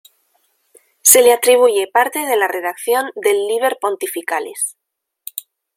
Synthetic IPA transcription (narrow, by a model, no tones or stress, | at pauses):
se̞leat̪ɾiβ̞uʝe̞paɾt̪e̞ð̞e̞lare̞ðakθjo̞nd̪e̞lːiβ̞e̞ɾpo̞nt̪ifikalḛs